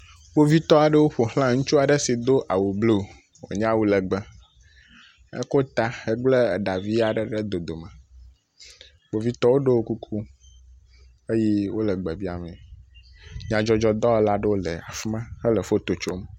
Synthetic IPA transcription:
bo˦vi˦t̪ɔ˦a˨ɖə˦wo˦ɸo˨hl̃ã˦ŋũ˦t͡ʃu˦a˨ɖə˦si˨d̪o˦ʔa˨wo˨blo˦˨ | wo̰˨ɲã˦wu˦lə˨ɡ͡bə˦ | ḛ˦ko˦t̪a˦e˦ɡ͡ble˦˨ɖa˨vi˦a˨ɖə˦ɖe˦d̪o˨d̪o˨mã˨ | bo˨vi˦t̪ɔ˦wo˦ɖe˦wo˦ku˦kʰu˦ | e˦jɛ˦wo˦lə˨ɡ͡bɛ˨bi˦a̰˨me˨ | ɲã˨d͡ʒɔ˦d͡ʒɔ˦d̪ɔ˦la˦ɖe˦wo˦le˨a̰˨fmã˦hə˦lə˨fo˦t̪o˨t͡ʃo˦m˨

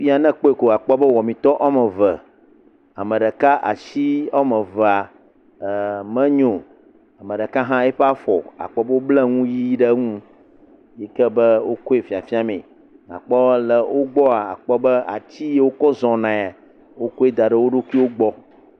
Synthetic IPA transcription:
fi˦a˨nɛ̃˦k͡pɔ˦e˨ko˨a˨k͡pɔ˦bə˦wɔ˨mĩ˨t̪ɔ˦ʔa˦mɛ̃˨və˨ | a˨mə̃˨ɖə˨ka˦ʔa˨ʃi˦a˦mə̃˨və˨a˨ | mɛ̃˦ɲõ˨ | a˨mə̃˨ɖə˨ka˦ɦã˦ɛ˦ɸɛ˦a˦fɔ˨a̰˨k͡pɔ˦bə˦wo˦blɛ˦ŋũ˦ji˦ɖə˦ŋũ˦ | jɛ˦kɛ˦bə˦wo˦ko˦e˨fi˨a˨fi˦a˨mẽ˨ | a̰˨k͡pɔ˦lə˨wʔo˦ɡ͡bɔ˦a˨a̰˨k͡pɔ˦bɛ˦a˨t͡ɕi˦je˦wo˦kɔ˦zɔ̃˨nã˨a˨ | wo˦ko˦e˦d̪a˨ɖə˨wo˦ɖo˦ki˦wo˦ɡ͡bɔ˦

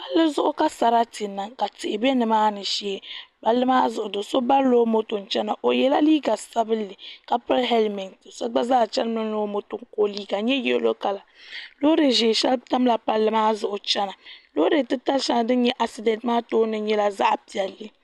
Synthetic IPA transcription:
pa˦lːɨ˦zʊ˦ʔʊ˦ka˦sa˨ɾa˦ti˨nːa˨ŋka˨tɪ˨ɪ˨bɛ˦nɨ˨maː˦nɨ˨ʃe˦˨˦pa˦lːɨ˦maː˦zʊ˨ʔʊ˨do˨so˦ba˦loː˦mo˦to˨n˨t͡ʃɛ˦na˨ʔo˨jɛ˨la˦liː˦ɡa˨sa˦bɨ˦lːɨ˨ka˨pɨ˦ɾɦɛ˦lmi˨ŋtso˦ɡ͡ba˦zaː˦˨t͡ʃɛ˦lmɨ˦lo˦mo˦to˨ŋko˦liː˦ɡa˨ɲɛ˦jɛ̰˦lo˦ka˨la˨lo˦de˨ʒe˨ʃɛ˦lta˦m˦la˨pa˦lːɨ˦maː˦zʊ˨ʔʊ˨t͡ʃɛ˦na˨lo˦ɾe˨tɨ˦ta˦lʃɛ˦na˨dɨ˦n˦ɲɛ˦ʔa˨si˨dɛ˨ntmaː˦toː˦nɨ˦ɲɛ˦la˦za̰˦ʔpi˨ɛ˨lːɨ˦

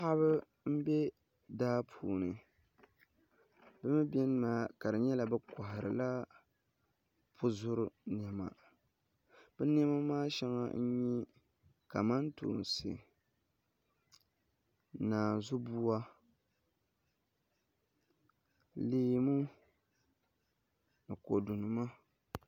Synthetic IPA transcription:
ha˦βɨ˦ | m̩˦bɛ˦ | daː˦pʰṵː˨nɨ˨ | bɨ˦mɨ˦bɛ˦n˦maː˦ka˨ɾɨ˨ɲɛ˦la˨bɨ˦ka˨ha˨ɾɨ̰˨la˦ | pʰʊ˦zʊ˦ɾʊ˨n˨ɛ˨ma̰˨ | bɛ˦n˦ɛ˦ma˦maː˦ʃɛ˦ŋa̰˦n̩˦ɲɛ˦ | ka˨ma˦ntṵː˨n˨sɨ̰˨ | naː˨zu˦bu˦a˦ | liː˦mu˦ | nɨ˨ko˨du˨nɨ˨ma˦

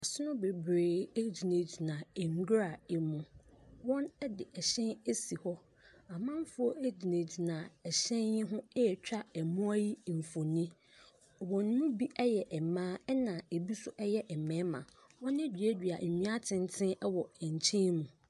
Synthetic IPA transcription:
a˨sʊ˦nʊ̃˦be˨bɾeː˨e˦d͡ʑi˨ne˨d͡ʑi˨nã˨e˨ŋ˨ɡɾa˨ɛ˨mʊ̃˦wɔ̃˦nɛ˦dɪ˨ʔɛ˨ɕɛ̃˦ne˦si˨hɔ˦ | a˨mã˦m˦fʊ˦ɔ˦ʔe˦d͡ʑi˨nẽ˨d͡ʑi˨nã˨ɛ˨ɕɛ̃˦njɪ̃˦ɦʊ̃˦ɛ˦ɛ˨t͡ɕᶣa˦ɛ˨mʊ̃˦a˦ji˦m̩˨fõ˨nĩ˦˨ | wɔ̃˨nː˦ʊ̃˦bi˦ʔɛ˦jɛ˨ʔɛ˨mãː˦ɛ˦nã˨e˨bi˦sʊ˦ʔɛ˦jɛ˦ʔɛ˨mɛ̃˨˦mã̰˨ | wɔ̃˦ne˦d͡ʑᶣi˨ɛ˦dᶣɥa̰˨m̩˨ɲĩ˦a˦tʰɪ̃˦n˦tʰɪ̃˦ɛ˦wɔ˨ɛ˨ɲ˨t͡ɕʰĩ˦mũ˨

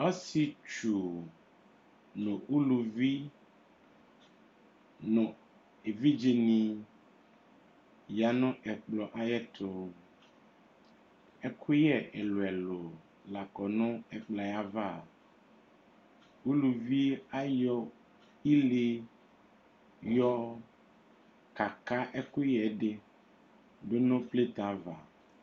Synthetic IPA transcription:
ɔ˦si˨t͡ʃu˨ | nõ˨ʔu˦lu˨vi˦ | nɔ̃˨ | e˨vi˦d͡ʒe˨nĩ˨ | ja˨nɔ̃˦ʔɛ˨k͡plɔ˨ʔa˦jɛ˦t̪ʰo˨ | ɛ˦kʰu˦jɛ˦ʔe˨lo˨ɛ˨lo˨ | la˨kɔ˨nɔ̃˦ɛ˨k͡pla˨ja˦va˦˨ | wu˦lu˨vi˦a˦jɔ˦ | i˦le˦ | jɔ˦ | ka˨ka˦ʔe˦ku˦jɛ˨˦ɖe˦ | ɖo˦nɔ̃˦ple˦t̪ã˨˦va˨

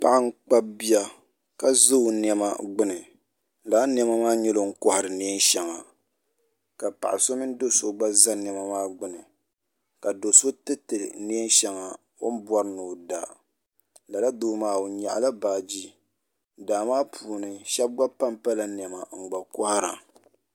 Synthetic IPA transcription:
pa˦ʔa˦ŋ̩˦k͡pa˦bi˦a˦ | ka˦zo˦˨n˨ɛ˨ma˨ɡ͡bɨ˦nɨ˨ | laː˨˦n˦ɛ˦ma˦maː˦ɲɛ˦lo˦˨ŋ̩˦kɔ˦ha˨ɾɨ˨ni˦ɛ˦n˦ʃɛ˨ŋa˨ | ka˨pa̰˨ʔa˨so˦mɨ˦n˦do˦so˦ɡ͡ba˦za˦n˨ɛ˨ma˦maː˦ɡ͡bɨ˦nɨ˨ | ka˨do˨so˦tɨ˦tɨ˨ni˦n˦ʃɛ˨ŋa˨ | o̰˦m˦bwɔ˦ɾnu˨da˨ | la˨la˦doː˦maː˦o˨ɲa̰˨ʔa˨la˦baː˨d͡ʒi˦ | daː˨maː˦pʰuː˨nɨ˨ʃɛ˦b̚ɡ͡ba˦pa˦mpa˦la˨n˨ɛ˨ma˨ŋ͡m̩˨ɡ͡ba˨kɔ˦ha˦ɾa˨

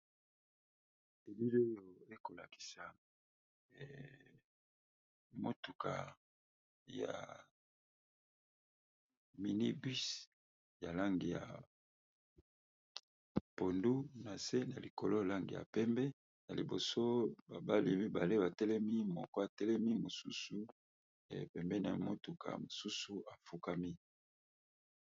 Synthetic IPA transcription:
e˨li˦lo˦jo˨e˦ko˨la˨ki̥˨sa˨ | mo˦tu˨kʰa̰˨ | ja̰˨ | mi˨ni˦bi˦s | ja˨la˦ŋɡi˨ja̰˨ | po˨ndu˦na˨se˦na˨li˨ko˨lo˦la˦ŋɡḭ˨ja̰˨pɛ˦mbɛ˦ | na˨li˨bo˨so˦ba˨ba˦li˨mi˦ba˨le˦ba˨tɛ˦lɛ˦mi˦mɔ˨kɔ˦a˨tɛ˦lɛ˦mi˦mo˨su˦su˦ | ḛ˨pɛ˨mbɛ˦na̰˨i˨mo˦tu˨kʰa̰˨mo˨su˦su˦a˨fu˦ka˦mi˦

